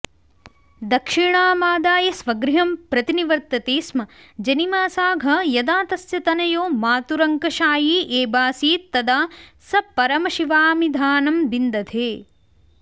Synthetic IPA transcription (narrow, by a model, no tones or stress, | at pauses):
d̪ɐkʂiɳaːmaːd̪aːjɐsʋɐɡɾiɦɐmpɾɐt̪iniʋɐɾt̪ɐt̪eːsmɐ | d͡ʒɐnimaːsaːɡʱɐjɐd̪aːt̪ɐsjɐt̪ɐnɐjoːmaːt̪uɾɐŋkɐʃaːjiːʔeːbaːsiːt̪ːɐd̪aːsɐpɐɾɐmɐʃiʋaːmid̪ʱaːnɐmbind̪ɐd̪ʰeː